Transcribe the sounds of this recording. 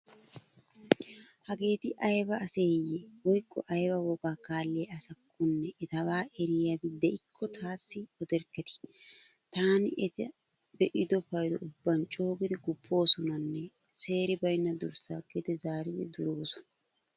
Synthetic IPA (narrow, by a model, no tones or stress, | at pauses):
hɐɡe̞ːt̪ɪʔɐjbɐːseːjːɛwɔjkːɔ̰ʔɐjbɐwɔɡaːkaːlːɪɐsɐkʰːʊnːɛʔɛt̪ɐwaːʔɛɾɪjɐbɪd̪ɛɪkʰːɔt̪ʰaːsːɪɔd̪ɛɾkːɛt̪ɪ̥ | t̪aːnɪʔɛt̪ɛ | bɛʔɪd̪ɔfɐjd̪ɔ̰ʊbːɐnt͡ʃʼo̞ːɡɪd̪ɪɡʊpʰːo̞ːsɔnɐnːɛ | se̞ːɾɪbɐjnːɐd̪ʊɾsa̰ːɡed̪ɛzaːɾɪd̪ɛ̰d̪ʊɾoːsɔ̥nɐ